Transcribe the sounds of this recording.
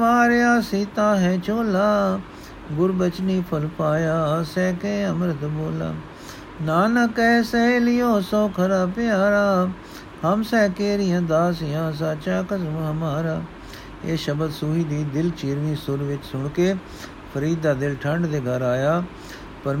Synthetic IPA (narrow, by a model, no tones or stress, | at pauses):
aːɾeaːsiːt̪ãːɦɛ̃ːt͡ʃʰoːlaː | ɡʊɾbət͡ʃniːpʰəlpaːjaːsɛːkeːəmɾət̪boːla̰ː | naːnakɛːsɛːlɪjoːsoːkʰəɾaːpɪjaːɾaː | həmsɛːkeːɾɪjãːd̪aːs̬ɪjãːs̬aːt͡ʃaːkəsmɦəmaːɾaː | eːʃəbəd̪suːɦiːd̪iːd̪ɪlt͡ʃiːɾʋĩːsʊɾʋɪt͡ʃsʊɳkeː | pʰəɾiːd̪aːd̪ɪlʈʰəɳɖd̪eːɡəɾaːjaː | pəɾ